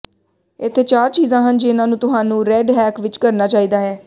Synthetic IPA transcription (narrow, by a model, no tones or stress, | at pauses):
ɪt̪ʰːeːt͡ʃaːɾt͡ʃiːzãːɦənd͡ʒɪɪnãːnũːt̪ʊɦaːnũːɾɛːɖɦɛːkʋɪt͡ʃkəɾnaːt͡ʃaːiːd̪aːɦɛː